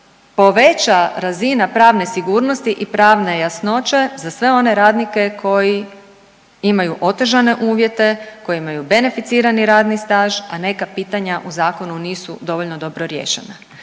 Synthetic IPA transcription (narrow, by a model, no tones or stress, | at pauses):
po̞ʋe̞t͡ʃaɾazinapɾaːʋnesiɡuːɾno̞st̪iʔipɾaːʋne̞jasno̞t͡ʃe̞zasʋe̞o̞ne̞ɾaːd̪nike̞kʰo̞ji | imajuʔo̞t̪eʒane̞ʔuːʋje̞t̪e̞ko̞jeimajube̞ne̞fit̪siːɾaniɾaːd̪nist̪aːʒane̞kapiːt̪aɲaʔuzaːko̞nuniːsud̪o̞ʋoʎnod̪o̞bɾo̞ɾjḛːʃḛna